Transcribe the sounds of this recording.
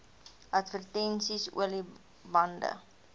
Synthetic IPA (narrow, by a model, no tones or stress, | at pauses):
ʔɐtfərtɛnsisṵəli | bɐndə̰